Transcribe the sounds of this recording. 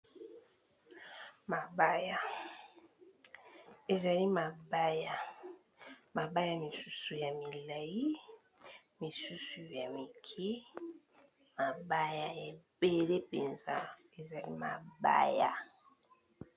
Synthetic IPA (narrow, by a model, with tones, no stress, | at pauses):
ma˨ba˦ja˨ | e˨za˨li˦ma˨ba˦ja˨ | ma˨ba˦ja˦mi˨su˦su˨ja˨mi˨la˨ji˦ | mi˨su˦su˨ja˨mi˨kʰi˦ | ma˨ba˦ja˦e˨be˨le˦pe˨nza̰˦ | e˨za˨li˦ma̰˨ba̰˦ja̰˦˨